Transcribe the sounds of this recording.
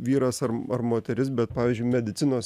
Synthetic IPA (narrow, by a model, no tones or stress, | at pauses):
ʋʲiːɾɐsɐrɐrmoːt̪ʲɛɾʲɪsbʲɛt̪̚pɑːʋʲiːzʲd͡ʒʲʊɪmʲɛd̪ʲɪt̪sʲɪnoːs